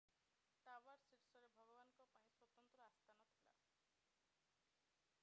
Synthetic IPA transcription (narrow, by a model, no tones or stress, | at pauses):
t̪abaɾsiɾsɔɾebʱɔɡɔbanɔŋkɔpaĩswɔt̪ɔnt̪ɾɔast̪ʰanɔt̪ʰila̰